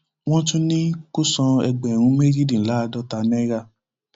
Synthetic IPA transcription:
w̃ɔ̃˦tũ˦nĩ˦ko˦sɔ̃˧ɛ˧ɡ͡bɛ˨ɾ̃ũ˧˦me˦ɾi˦dĩ˨la˨˦˧dɔ˦ta˧nɛ̃˦ɾa˧˨

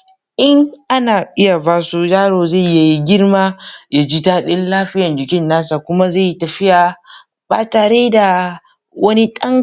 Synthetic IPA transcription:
ʔɪ˦ŋʔa˦naː˨ʔɪ˦ja˨baː˦su˦jaː˦ɽoː˨za˦˨jja˨ji˦ɡʲɪ˦rmaː˦ja˦˨d͡ʒi˦taː˦ɗɪ˦nlaː˦ɸɪ˦jɐ˨nd͡ʒɪ˨kʲɪ˦nːaː˦sa˨kʷʊ˦ma˦ze˦˨ji˦tɐ˨ɸɪ˦jaː˨ | baː˨taː˨ɽeː˦da˨ | wɐ˦ni˦ɗɐ˦ŋ

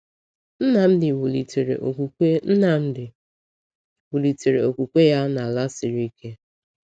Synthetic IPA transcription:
n̩˦na˨n̩˦dɪ˨wu˨li˨te˨ɾḛ˨ʔo˨kʷu˨e˦n̩˦na˨n̩˦dɪ˨ | wu˨li˨te˨ɾe˨o˨kʷu˨kʷe˦ja˦na˨la˦sɪ˨ɾi˦kʰe˦

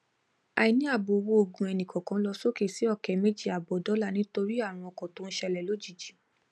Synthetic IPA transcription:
a̰˨i˨nĩ˦a˦˨bo˨˧wo˧˦o˨ɡũ˨˧ɛ˧nĩ˨kɔ̃˨kã˧˦lɔ˧so˦ke˦˨si˨˦ɔ˦˨kɛ˨me˦d͡ʒi˦˨a˨bɔ˨dɔ˨˦la˦˨nĩ˦to˧ɾi˦a˦˨ɾ̃ũ˧ɔ˧˨kɔ̃˨to˨˦n̩˦ʃɛ˧lɛ˨lo˨˦d͡ʒi˦˨d͡ʒi˨˦

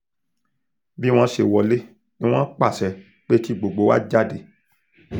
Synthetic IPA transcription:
bi˦w̃ɔ̃˦ʃe˧˨wɔ˧le˦ | ĩ˦w̃ɔ̃˦k͡pa˦˨sɛ˧ | k͡pe˦ti˦ɡ͡bo˨ɡ͡bo˨˦wa̰˦d͡ʒa˦de˧˨

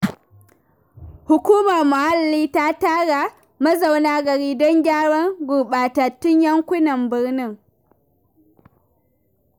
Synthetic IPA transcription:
hʊ˨kʷuː˦mɐ˨ɾmʊ˨ha˦lːiː˦ta˦taː˦ɡa˨ | mɐ˦za˨wnaː˦ɡɐ˨ɾiː˦dɔ˦ŋɡʲaː˦ɽɔ˦ŋɡu˨ɓaː˨ta˨tːʊ˦ɲjɐ˦ŋkʷʊ˦nɐ˨mbɨ˨ɾnɪ˦˨ŋ

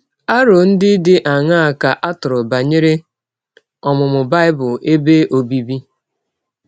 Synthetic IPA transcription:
a˦ɾo˨n̩˦dɪ˦dɪ˦ʔa˨ŋa˦a˨ka˨ʔa˦tʊ˨ɾʊ˨ba˨ɲɪ˦ɾe˦ | ɔ˨mʊ˨mʊ˨ba˦ɪ˦bʊ˨e˦be˦ʔo˨bi˦bi˦

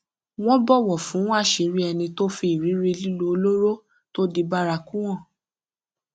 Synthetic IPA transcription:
w̃ɔ̃˦bɔ˦˨wɔ˨fũ˨˦w̃a˦˨ʃi˨˦ɾi˦ɛ˧nĩ˧to˦fi˧i˨ɾi˨˦ɾi˧li˦lo˧o˧lo˦ɾo˦ | to˦di˧ba˦ɾa˧kũ˦w̃ɔ̃˦˨

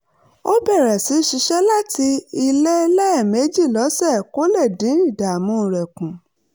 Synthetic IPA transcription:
o˦bɛ˦˨ɾɛ˨si˨˦ʃi˧˦ʃɛ˦la˦ti˧i˧le˦lɛ˦˨me˨˦d͡ʒi˦˨lɔ˨˦sɛ˦˨ko˦lɛ˦˨dĩ˨˦ĩ˦˨da˨mũ˧˦˨ɾɛ˨kũ˨

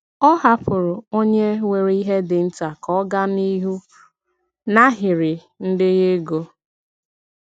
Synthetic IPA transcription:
ɔ˦ɦa˦pʊ˨ɾʊ˨o˦ɲe˦wʷe˨ɾi˦ɦe˦dɪ˨n̩˦ta˨kɔ˦ɡa˦ni˦ɦu˦ | na˦ɦɪ˨ɾɪ˨ | n̩˦dɪ˦ɣe˦ɡo˦

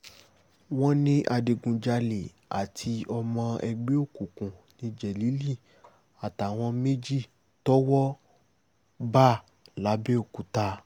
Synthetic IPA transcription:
w̃ɔ̃˦nĩ˦ʔa˧de˨ɡũ˨d͡ʒa˧le˨ | a̰˨tʰi˧ʔɔ˧mɔ̃˧ʔɛ˧ɡ͡be˦o˦˨kũ˨kũ˨nĩ˧d͡ʒɛ˨li˨˦li˦˨ | a˨ta˨w̃ɔ̃˧me˦d͡ʒi˦˨ | tɔ˦wɔ˦ | ba˦ | la˨˦be˦o˦˨ku˨ta˧

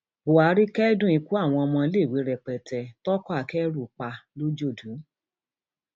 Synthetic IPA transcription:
bo˨a˨˦ɾi˦kɛ˦dũ˦˨i˨˧ku˦a˦˨w̃ɔ̃˧mɔ̃˧le˦˨wi˨˦ɾɛ˨k͡pɛ˨tɛ˨tɔ˦kɔ˦a˨kɛ˦ɾu˦˨k͡pa˧lo˦d͡ʒo˦˨dũ˨˦

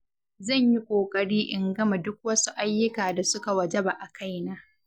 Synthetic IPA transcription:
zɐ˦˨ɲji˦kʷʼoː˨kʼɐ˨ɽiː˦ʔɪ˨ŋɡɐ˦ma˨dʊ˦k̚wɐ˦su˦ʔa˦jːʊ˦kaː˨da˨sʊ˦ka˨wɐ˨d͡ʒɛ˦ba˨ʔa˨kʰa˦jnaː˦ʔ

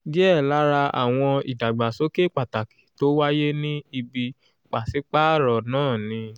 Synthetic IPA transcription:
ɡi˦ɛ˦˨la˨˦ɾa˧a̰˨w̃ɔ̃˧ḭ˨da˨ɡ͡ba˨so˨˦ke˦˨k͡pa˨ta˨ki̥˨to˦wa˦je˦nĩ˦i˧bi˧ | k͡pa˨si˨˦k͡pa˦˨ɾɔ˨nãː˦˨nĩ˧

